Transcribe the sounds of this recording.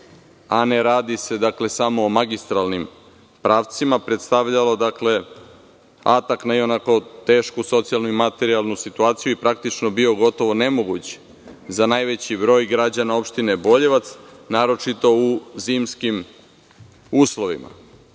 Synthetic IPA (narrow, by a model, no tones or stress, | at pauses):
aneɾaːd̪ise̞d̪akle̞samo̞ːmaɡist̪ɾalnim | pɾaːʋt̪simapɾet̪st̪aʋʎalo̞d̪akle̞ | a̰t̪aknaionako̞t̪e̞ːʃkuso̞t̪sijalˠnuimat̪e̞ɾialˠnusit̪uaːt̪sijuipɾak̚t̪it͡ʃno̞bio̞ɡo̞t̪o̞ʋo̞ne̞mo̞ɡut͡ɕ | zanaːjʋe̞t͡ɕibɾo̞ːjɡɾad͡ʑanao̞pʃt̪inebo̞ʎeʋat̪snaːɾo̞t͡ʃit̪o̞uziːmskim | uːslˠo̞ʋḭma̰